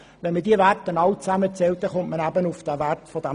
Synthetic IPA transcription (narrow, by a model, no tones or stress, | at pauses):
ʋɛnmədiəværtːənɑwt͡sæmət͡sɛlt̚dɛχʊntmənæbənufd̥æværtfɔd̥æ